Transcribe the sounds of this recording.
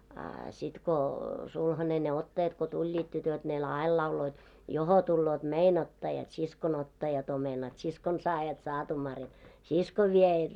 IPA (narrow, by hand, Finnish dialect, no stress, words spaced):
ɑ sit ko sulhɑne ne otːɑjɑt ko tulʲːiːt tytøt ne l ɑil lɑuloit joho tulːoːt mein otːɑjɑt siskon otːɑjɑt omenɑt siskon sɑːjɑt sɑːtumɑrjɑt siskoʋ ʋiejæt